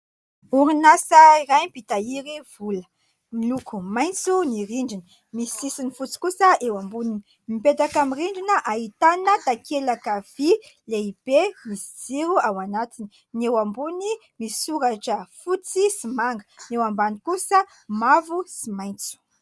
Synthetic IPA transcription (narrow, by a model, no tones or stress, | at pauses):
uɾinasəiɾajmpit̪aiɾiv̥ulə̥ | milukumajnt͡suniɾiɳɖ͡ʐinə | misi̥sisinifut͡si̥kusəʔewambunini | miped̪akamiriɳɖ͡ʐinəʔaɦit̪anət̪akʰelakav̥ileib̥emisi̥d͡ziɾuawanat̪ini̥ | newambuni | misuɾaʈ͡ʂəfut͡sisimaŋɡə̥newambanikusə | mavusimajnt͡su̥